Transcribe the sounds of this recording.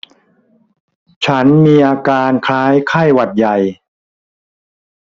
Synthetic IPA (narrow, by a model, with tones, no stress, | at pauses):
t͡ɕʰa˦˥nmiː˧ʔaː˧kaː˧nkʰaː˦˥jkʰa˥˩jwa˨˩t̪̚ja˨˩j